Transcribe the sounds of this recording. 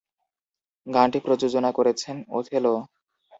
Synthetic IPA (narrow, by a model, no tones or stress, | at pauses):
ɡãʈipɾod͡ʑod͡ʑonakoɾet͡ɕʰeno̰t̪ʰelo